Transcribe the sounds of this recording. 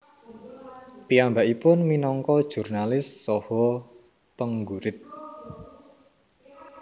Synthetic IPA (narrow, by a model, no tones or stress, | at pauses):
piambaʔipʊnminɔŋkɔd̥ʒ̥ṳrnalɪsːɔhɔ | pəŋɡuɾɪt̪̚